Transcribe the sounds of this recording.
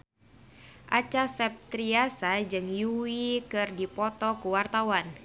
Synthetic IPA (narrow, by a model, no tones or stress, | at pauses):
ʔat͡ʃasɛp̚t̪ɾiasad͡ʒɨŋjuwikɨrdipɔt̪ɔkuwart̪awan